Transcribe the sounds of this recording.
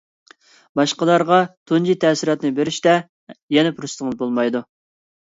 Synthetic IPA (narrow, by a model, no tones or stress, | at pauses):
bɑʃqɑd̪ɑɾʁɑt̪ʰund͡ʒit̪ʰɛːsiɾɑt̪nɨbɪɾɪʃt̪ɛ | jɛnɛpʰuɾust̪əŋlbolˠmɑjd̪u